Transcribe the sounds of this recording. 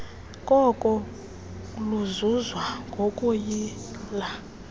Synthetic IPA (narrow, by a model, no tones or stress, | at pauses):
kʼɔkʼɔ | luzuzwaŋɡʱokʼujila